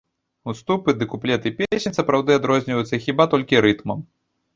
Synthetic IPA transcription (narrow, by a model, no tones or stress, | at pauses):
ust̪upɨd̪ɨkuplʲɛt̪ɨpʲesʲenʲsɐpɾawd̪ɨad̪ɾɔzʲnʲivɐjut̪sːɐxʲibat̪ɔlʲkʲiɾɨt̪mɐm